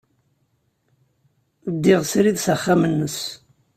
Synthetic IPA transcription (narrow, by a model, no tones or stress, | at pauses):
d̪ːɪʁsɾiðsaχːamənːəs